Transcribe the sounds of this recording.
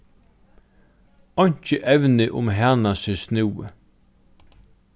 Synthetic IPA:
ɔɲ̥t͡ʃəʔɛwnɪʔʊ̰mɦæːnasɪsnɪw̰

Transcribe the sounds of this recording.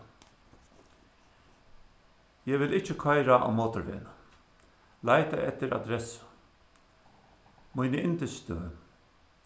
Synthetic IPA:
jɛːʋɪlɪht͡ʃːəkʰɔjɾaʔa̰wmoːt̪ʊɾvḛːnə | lajt̪aɛt̪ːɪɾa̰d̪ɾɛsə̥ | mujnəɪnt̪ɪst̪əə

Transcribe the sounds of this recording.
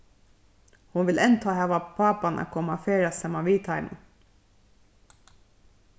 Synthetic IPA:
hʊnʋɪlʔɛnt̪ʰɑːhæʋɑpʰɑːpɑnʔa̰kʰɔmɑfeːɾɑsɛmɑʋiːt̪ʰɑɪmə̰n

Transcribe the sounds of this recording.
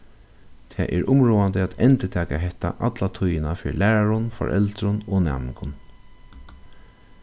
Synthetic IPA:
t̪ʰɛːʔɛɹʔʊmɹuːant̪əaːt̪ɛnt̪ɪt̪ʰɛːkaɦɛht̪ːa̰ʔat̪lat̪ʰʊjɪnafɪ̰ɻlæːɹaɹʊnfɔ̰ɹʔɛ̰lt̪ɾʊnoːnɛ̰ːmɪŋkʊn

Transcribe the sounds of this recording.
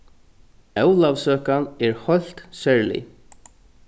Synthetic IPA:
ɛwlavsøːkanɛɹhɔl̥t̪sɛɹlḭ

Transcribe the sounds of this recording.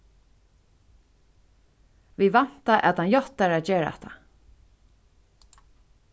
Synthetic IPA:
vivan̥t̪aʔɛ̰t̪anjɔt̪aɾat̪d͡ʒeːɾaɛ̰ht̪ʰa̰

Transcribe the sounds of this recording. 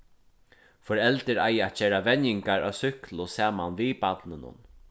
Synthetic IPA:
fɔɾɛlt̪ɪɾa̰jat̪̚t͡ʃɛːɾaʋɛnjɪŋkaɹa̰ːsʏhklʊsaːmanviːpat̪nɪnʊ̰n

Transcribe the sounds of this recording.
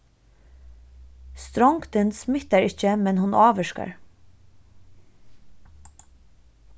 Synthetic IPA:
st̪ɾɔŋkt̪ɪnsmɪht̪aɹɪt͡ʃəmɛnɦʊnɑːʋɛʃka̰ɹ

